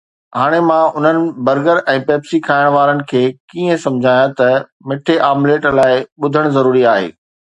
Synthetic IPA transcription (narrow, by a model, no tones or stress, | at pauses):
ɦaːɽ̃emãʊn̤ənɪ̆bɐɾɡəɾɛ̃ːpɛːpsikʰaːɪɽ̃ʋaːɾənɪ̆kʰeːkiːə̃sɐ̃md͡ʑʱaːjãt̪ɐ | mɪʈʰeʔaːmleːʈlaːɪɓʊd̪ʱəɽ̃zɐɾuːɾiaːɦḛː